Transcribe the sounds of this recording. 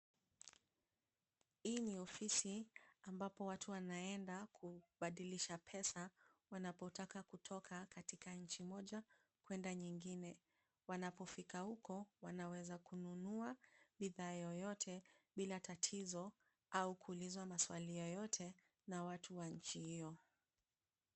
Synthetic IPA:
hiːniɔfisiambapɔwatʰuwanaɛndakʰuɓaɗiliʃapʰɛsa | wanapɔtakakutʰɔkʰakatikaɲ̩t͡ʃimɔʄa | kwɛndaɲiŋɡinɛ | wanapɔfikahukɔwanawɛzakununuaɓiðaːjɔjɔtʰɛɓilatatʰizɔ | aukuːlizwamaswalijɔjɔtʰɛ | nawatuwaɲ̩t͡ʃihijɔ

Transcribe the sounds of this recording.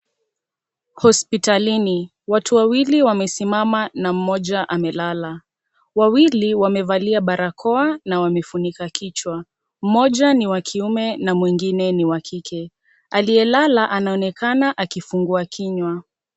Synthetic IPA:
hɔspitalini | watuwawiliwamɛsimamanam̩mɔʄaʔamɛlala | wawiliwamɛvaliaɓaɾakʰɔanawamɛfunikakʰit͡ʃwa | m̩mɔʄaniwakʰiumɛnamwiŋɡinɛniwakʰikʰɛ | aliɛlalaʔanaɔnɛkanaʔakifuŋɡuakʰiɲwa

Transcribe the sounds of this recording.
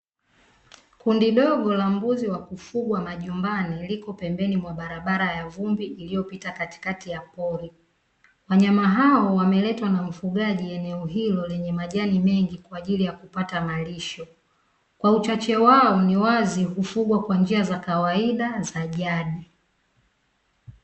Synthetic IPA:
kundiɗɔɠɔlam̩buziwakufuɡwamaʄumbanilikɔpɛmbɛnimwaɓaɾaɓaɾajavumbiʔːlijɔpitakati̥katijapɔɾi | waɲamaɦaɔwamɛlɛtwanam̩fuɠaʄiɛnɛɔɦilɔlɛɲɛmaʄanimɛŋɡikwaːʄilijakupatamaliʃɔ | kwaut͡ʃat͡ʃɛwaɔniwazikufuɡwakwand͡ʒiazakawaiɗazaʄaɗi

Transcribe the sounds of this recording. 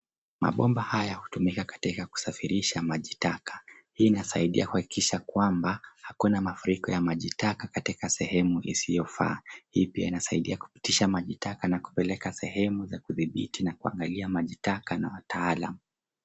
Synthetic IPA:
ma̰ɓɔmbahajahutumikakḁtikaku̥safiɾiʃamaʄitakḁ | hiːnasaiɗiaku̥haki̥kiʃakwambahakunamafuɾikɔjamaʄitakakatikasɛhɛmuʔḭsijɔfa̰ːhiːpiainasaiɗiaku̥pi̥tiʃamaʄitakanaku̥pɛlɛkasɛhɛmuzakuðiɓḭtinakua̰ŋɡaliamaʄitakanawataalamu

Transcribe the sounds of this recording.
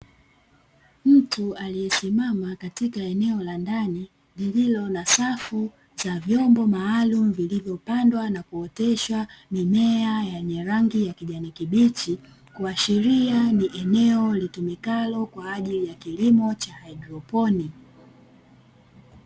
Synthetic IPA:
m̩tualijɛsimamakatikaɛnɛɔlandani | lililɔnasafu | t͡ʃavjɔmbɔmaːlumuvilivjɔpandwanakuɔtɛʃwamimɛajaɲɛɾaŋɡijakiʄanikiɓit͡ʃi | kuaʃiɾianiʔɛnɛɔlitumikalɔkwaːʄilijakilimɔt͡ʃahaidɾɔpɔni

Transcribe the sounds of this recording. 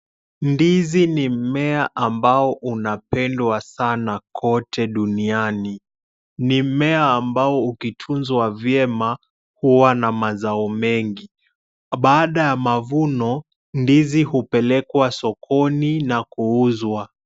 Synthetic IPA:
ndizinim̩mɛaʔambaɔʔunapɛndwasanakʰɔtʰɛɗuniani | nimɛaːmbaɔukitʰunzwavjɛma | huwanamazaɔmɛŋɡi | ɓaːɗajamavunɔ | ndizihupɛlɛkwasɔkʰɔninakuuzwa

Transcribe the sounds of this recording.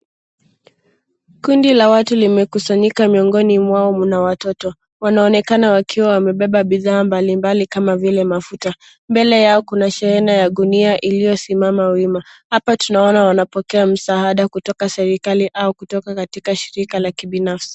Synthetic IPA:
kundilawatulimɛkusaɲikamiɔŋɡɔnimwaɔmunawatɔtɔ | wanaɔnɛkanawakʰiwawamɛɓɛɓaɓiðaːmbalimbalikamavilɛmafuta | mbɛlɛjaɔkunaʃɛɾɛnajaɗuniaʔilijɔsimamawimahapatunaɔnawanapɔkɛam̩saaɗakutɔkasɛɾikaliʔaukutɔkakatikaʃiɾikalakiɓinafsi̥

